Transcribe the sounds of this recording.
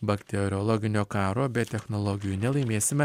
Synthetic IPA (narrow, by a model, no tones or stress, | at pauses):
bɐkt̪ʲɛɾʲɔlˠɔɡʲɪnʲoːkɑːɾoːbʲɛt̪ʲɛxnɔlˠɔɡʲɪjuːnʲɛlˠɐɪmʲeːsʲɪmʲɛ